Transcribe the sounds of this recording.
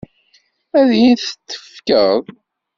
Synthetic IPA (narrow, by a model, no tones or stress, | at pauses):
æðjinθə̥t̪ːə̥fkəðˤ